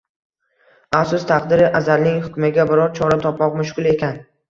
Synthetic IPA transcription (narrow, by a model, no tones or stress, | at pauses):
afsʊst̪ʰaqd̪ɪɾɪʔazalnɪŋhʊkʰʲmɪɡʲabɪɾɒɾt͡ʃʰɒɾat̪ʰɒpmɒqmʊʃkʊlˠe̞kʲʰan